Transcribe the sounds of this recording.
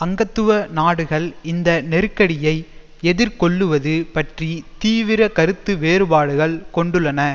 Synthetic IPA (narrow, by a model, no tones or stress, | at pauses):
ɐŋɡɐt̪ːɯʋɐnaːɽɯɣɐɭɪnd̪ɐnɛɾɯkːɐɽɪjɐɪ | ɛðɪɾkɔɭːɯʋɐðɯpɐʈrit̪iːʋɪɾɐkɐɾɯt̪ːɯʋeːɾɯbaːɽɯɣɐɭkɔɳɖɯɭːɐnɐ